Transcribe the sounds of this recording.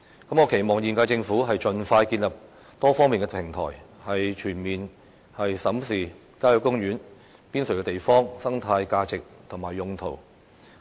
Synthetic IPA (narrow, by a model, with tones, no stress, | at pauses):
kɐ˨˥mŋɔː˨˧kʰe˨˩jmɔː˨˩ŋjiː˨˩nkaː˧jt͡sɪ˧ŋfuː˨˥ɦɐ˨jt͡ʃɵ˨nfaː˧jkiː˧nlɐ˨˩p̚ | t̪ɔː˥fɔː˥ŋmiː˨nkɛ˧˥pʰɪ˨˩ŋt̪ʰɔ̰ː˨˩jhɐ˨jt͡ʃʰyː˨˩nmiː˨n | hɐ˨jsɐ˨˥msiː˨ | kaː˥jɔ˨˥kːʊ˥ŋjyː˨˥n | piː˥nsɵ˨˩kɛ˧˥t̪e˨jfɔː˥ŋsɐ˥ŋt̪ʰaː˧jkaː˧t͡sɪ˨k̚t̪ʰʊ˨˩maː˨˩jːʊ˨˧ŋt̪ʰo˨˩w